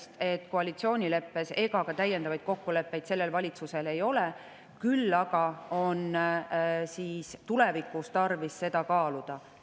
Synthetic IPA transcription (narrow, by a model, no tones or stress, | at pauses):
st̪e̞t̪ːˑko̞ɑlʲit̪sio̞ːnʲile̞pːe̞se̞ɡ̥ɑɡ̥ɑt̪æjːe̞nd̪ɑvɑjd̪̥̚ko̞kːule̞pːe̞jd̪̥se̞lːe̞lvɑlʲit̪suse̞le̞jo̞le | kylːɑɡ̥ɑo̞n | siːst̪ule̞vikːˑust̪ɑrvisːe̞d̪̥ɑkɑːlud̪̥ɑ